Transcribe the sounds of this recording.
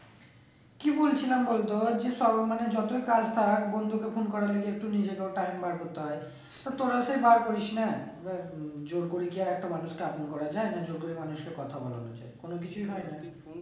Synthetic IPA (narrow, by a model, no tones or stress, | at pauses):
kibolt͡ɕʰilambolt̪od͡ʑeʃɔmaned͡ʑɔt̪oikad͡ʑt̪ʰakbond̪ʱukefʰonkɔɾaleɡeek̚ʈunid͡ʑekeoʈajmbaɾkot̪ːeɦɔe | t̪at̪oɾaʃejbaɾkoɾiʃnaebaɾd͡ʑoɾkoɾiɡiaɾɛk̚ʈamanuʃkeaponkɔɾad͡ʑaenad͡ʑoɾkoɾimanuʃkekɔt̪ʰabɔ̰la̰no̰d͡ʑa̰ekonok̬it͡ɕʰujɦɔena